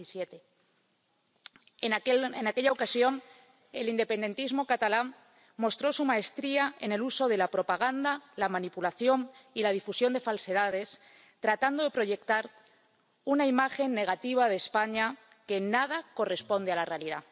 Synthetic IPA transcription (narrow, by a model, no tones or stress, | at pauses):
sjet̪e | enake̞ʎao̞kasjo̞n | e̞lind̪e̞pe̞nd̪e̞nt̪izmo̞kat̪ala | mo̞st̪ɾo̞sumae̞st̪ɾiaḛne̞luso̞ð̞e̞lapɾo̞paɣ̞and̪alamãnipulaθjo̞nilað̞ifusjo̞nd̪e̞false̞ð̞að̞e̞s | t̪ɾat̪and̪o̞ðe̞pɾo̞ʝe̞k̚t̪aɾ | unaimaxe̞nːe̞ɣ̞at̪iβ̞að̞e̞ːspaɲa | ke̞nað̞ako̞re̞spo̞nd̪ealare̞aliða